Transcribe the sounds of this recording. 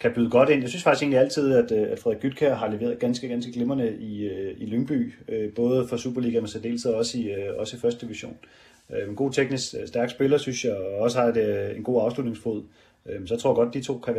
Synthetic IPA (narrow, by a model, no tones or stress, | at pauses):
kʰæb̥yðˠəɡ̥ɒ̽ɾ̥e̝n̰jɑɪsynsfɑ̈ɡ̥ise̝nliæl̰t͡sʰið̞̰ˠæd̥æd̥fʁɛðˠɡ̥yd̥̚kʰæɐɦɑ̈leʋe̝̰ːɐðˠɡ̥ænsɡ̥əɡ̥ænsɡ̥əɡ̥lemɐnəiiløŋb̥y̰ːøb̥ɔ̽ːð̞ˠfɒ̽sṵːb̥ɐliːɡ̥æmensɛde̝̰ːlsð̩ˠɒ̽səiɒ̽səifɶɐsd̥əd̥iʋiɐɕo̝̰ːn | ømenɡ̥o̝̰ːt͡sʰeɡ̥nisɡ̥sd̥æɐɡ̥sb̥e̝lɐsynsjɑ̈ɒ̽səhɑ̈denɡ̥o̝̰ːɑ̈ʊslud̥ne̝ŋsfo̝ð̰ˠ | ønsɒt͡sʰo̝ɐɐɡɒ̽d̚d̥it͡sʰo̝̰ːkʰæʋæ